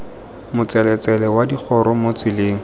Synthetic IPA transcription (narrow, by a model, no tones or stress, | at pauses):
mʊt͡sɛlɛt͡sɛlɛwadik͡xʰɔɾɔmot͡sɪlɪːŋ̩